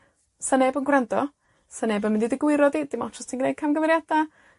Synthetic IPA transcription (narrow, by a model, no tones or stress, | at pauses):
sanɛbənɡwrandɔ | sənɛbənmɪndidɪɡwɪɾɔdidɪmɔtʰɔstʰinɡnejd̚kʰamɡəvɛɾjada